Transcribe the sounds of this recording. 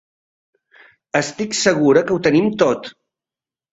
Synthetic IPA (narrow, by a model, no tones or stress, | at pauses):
əst̪iksəɣ̞uɾəkəut̪ənimt̪ot̪